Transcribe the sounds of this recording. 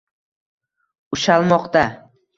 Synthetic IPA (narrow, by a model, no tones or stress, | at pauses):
ʊʃalˠmɒqt̪a